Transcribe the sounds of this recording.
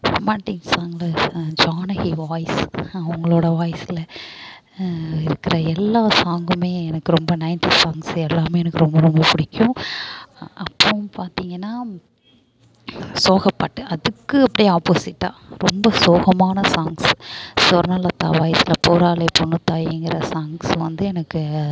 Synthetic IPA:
maːʈːɪŋɡsaŋlɐd͡ʒaːnɐɣiʋaːjsɐʊŋɡɐɭoːɽɐʋaːjsɪlɐ | ɪɾɯkːɪɾɐɛlːaːsaːŋɡɯmeːɛnɐkːɯɾɔmbɐnɐɪnt̪isaːŋɡsɛlːaːmeːɛnɐkːɯɾɔmbɐɾɔmbɐpʊɽɪkʲːʊ̃ | ɐpːopaːɾt̪iːŋɡɐnːaː | soːɣɐpːɐʈːɯʔɐðɯkːɯɐpːɐɽijaːpoːsɪʈːãːɾɔmbɐsoːɣɐmaːnɐsaːŋɡsɔɾɐnɐːlɐt̪ːa̰ːʋaːjsɪlɐpoːɾaːlɐpɔɳːɯt̪ːaːjɛŋɡɪɾɐsaːŋɡsʋɐ̰nd̪ɯɛnɐkːɯ

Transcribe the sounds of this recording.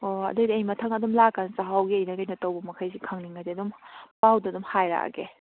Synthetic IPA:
oɐ̰dɐjdiɐjmɐtʰɐŋɐdumlakːansaɦawɡiɐjnɐɡɐjnɐtɐwbɐmɐkʰɐjsikʰɐŋniŋɐdiɐdumpawddumhajɾa̰kḛ

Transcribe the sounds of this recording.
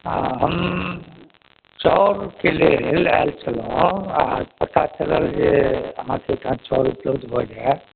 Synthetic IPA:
ɦəm | t͡ʃɔɾkelelalt͡ʃʰəlɔ̃apət̪at͡ʃələld͡ʒeə̰mãkʰekãt͡ʃɔːɾuplod͡ʒ̪bʱəɽa

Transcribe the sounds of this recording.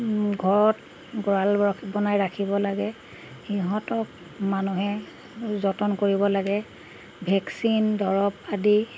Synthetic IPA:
ɡʱɔɹɔt | ɡɔɹalbɔnajɹakʰibɔlaɡɛ | xiɦɔ̃tɔk̚ | manuɦɛ | zɔtɔnkoɹibɔlaɡɛ | bʱɛksindɔɹɔp̚adi

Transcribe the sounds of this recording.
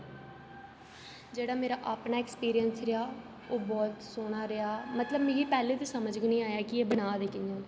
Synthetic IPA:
d͡ʒeːɽaːmeːɾaːʔaːpnaːekspiːɾijənsɾeaː | oːbɔːt̪soːɽ̃aːɾɪaːmət̪ləbmeːɡiːpɛːlẽːt̪eːsəməd͡ʒɡʊnĩːaːjaːkɪeːbənaːd̪eːkɪnːoːn

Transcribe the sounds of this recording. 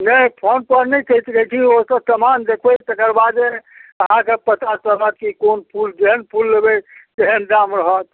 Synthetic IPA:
nəjpʰonpəɾnɛt͡ʃʰet̪əkɛt̪ʰĩosə̃səmand̪ekʰbet̪əkəɾbad̪eəɦãkepət̪at͡ʃələt̪̚kikonpʰuld͡ʒeɦənpʰulːebet̪eɦənɖamɾəɦət̪

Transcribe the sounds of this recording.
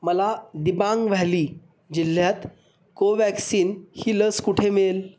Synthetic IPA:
məlad̪ibãŋɡʋaliː | d͡ʑil̤ːjat̪ | koʋæksiːnhiːləskuʈʰemel

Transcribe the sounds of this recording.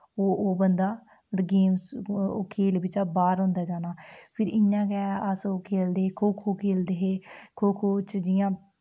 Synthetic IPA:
oːbənd̪aː | ɡeːmso̰kʰeːlbɪt͡ʃaːbaːɾɦʊ̃ːnd̪aːd͡ʒaːnaːpʰɪɾɪãːɡɛːəsoːkʰeːld̪eːkʰoːkʰoːkʰeːld̪eːɦeːkʰoːkʰoːt͡ʃd͡ʒɪjãː

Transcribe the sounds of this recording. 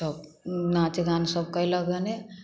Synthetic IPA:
ʌb̚ | nat͡ʃeɡansəb̚kəjləɡəne

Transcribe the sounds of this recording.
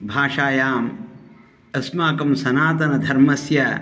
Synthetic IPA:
bʱaːʃaːjaːm | ɐsmaːkɐmsɐnaːt̪ɐnɐd̪ʱɐɾmɐsjɐ

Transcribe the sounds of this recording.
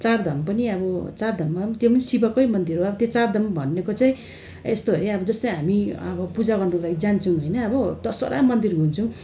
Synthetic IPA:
t͡sard̪ʱʌmpʌniʌbʌt͡sard̪ʱʌmːat̪jepʌnisibʌkʌjmʌnd̪irɦoʌbʌt̪jot͡sard̪ʱʌmbʱʌnːekot͡saĩ | est̪oɦʌɾeʌbʌd͡zʌst̪ʌjɦamiʌbʌpud͡zaɡʌrnulaɡid͡zant͡sʰʌw̃ɦojnʌːbʌd̪ʌso̰ɾa̰mʌnd̪irɦunt͡sʰʌw̃

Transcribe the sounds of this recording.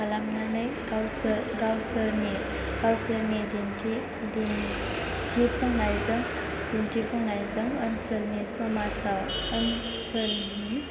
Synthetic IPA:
palamnanajɡawsɾɡawsəɾni | ɡ̥awsəɾnidintʰi | din | d͡ʒipʰɔŋnajzɯŋ | d̥intɾipʰɔŋnajzɯŋənsəlnisɔmasawən | səl | ni

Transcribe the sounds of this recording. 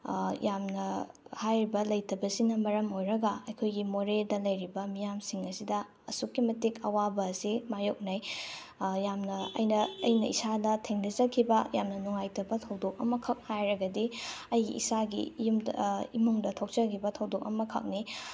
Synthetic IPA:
jamnɐ | hajɾibɐlɐjtʰɐbɐsinɐmɐɾɐmojɾɐɡɐɐjkʰojɡimoɾeldɐlɐjɾibɐmijamsiŋɐsidɐ | ɐsukːimɐtikɐwabɐːsimajok̚naj | jamnɐɐ̰jnɐɐjnɐʔḭsadɐtʰeŋdɐzɐkʰibɐjamnɐnuŋajtʰɐbɐtʰɐwdok̚ɐ̰mɐkʰɐk̚hajɾɐɡɐdiɐjɡḭʔḭsaɡḭjumimuŋdɐtʰok̚t͡ʃɐkʰibɐtʰɐwdok̚ɐ̰mɐkʰɐ̰k̚ni

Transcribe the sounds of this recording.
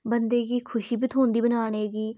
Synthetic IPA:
bənd̪eːɡiːkʰʊʃiːbɪt̪ʰɦʊ̃ːnd̪iːbənaːɽ̃eːɡiː

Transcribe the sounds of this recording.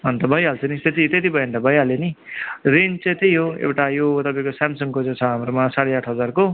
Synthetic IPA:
ʌnt̪ʌbʌjɦalt͡sʰʌnit̪et̪it̪et̪̬ibʱʌjent̪ʌbʱʌjɦalenirent͡set̪ʌjɦoḛwʈajot̪ʌpãĩkosamsʌŋkot͡sʌ̃t͡sʰʌɦamɾomasaɽeaʈʰɦʌd͡zarko

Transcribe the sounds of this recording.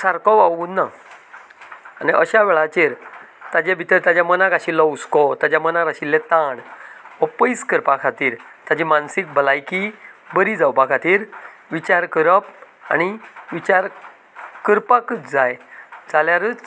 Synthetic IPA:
saɾkɔʋawuːnːa | aniʔəɕaʋɛɭat͡ɕeɾ | t̪ad͡ʑebʱit̪əɾt̪ad͡ʑjamənakaɕilːɔuskɔt̪ad͡ʑamənaɾaɕilːet̪ãɳəpəjskəɾpakʰat̪iːɾt̪ad͡ʑimansik̚bəlajkibəɾid͡zawbakʰat̪iːɾʋit͡ɕaɾkəɾəp | a̰ñiʋit͡ɕaɾ | kəɾpakət͡sd͡zajd͡zaljaɾət͡s

